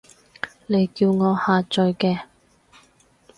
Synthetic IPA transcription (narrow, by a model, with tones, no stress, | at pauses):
le˨˧jkiː˧wŋɔː˨˧haː˨˧t͡ʃɵ˨˧ɥkɛː˧